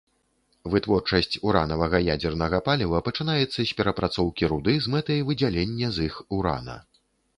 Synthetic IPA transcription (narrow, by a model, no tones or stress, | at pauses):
vɨt̪vɔrt͡ʂɐsʲt͡sʲuɾa̰nɐvɐɣɐjad͡zʲɛrnɐɣɐpalʲivɐpɐt͡ʂɨnajɛt̪sːɐsʲpʲɛɾɐpɾat̪sɔwkʲiɾud̪ɨzmɛt̪ɐjvɨd͡zʲalʲenʲːɐzixuɾa̰nɐ̰